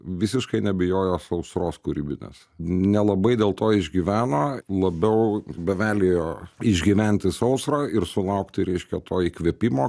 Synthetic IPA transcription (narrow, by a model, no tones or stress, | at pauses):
ʋʲɪsʲɪʃkɐɪnʲɛbʲɪjoːjoːsɐʊsɾoːskʊɾʲiːbʲɪnʲḛːs | nʲɛlˠɐbɐɪd̪ʲeːlˠt̪oːɪʒʲɡʲiʋʲæːnoːlˠɐbʲɛʊbʲɛʋʲæːlʲeːjoːɪʒʲɡʲɪʋʲɛnʲt̪ʲɪsɐʊsɾaːɪɾsʊlˠɐʊkt̪ʲɪɾʲɛɪʃʲkʲɛt̪oːiːkʋʲɛpʲimoː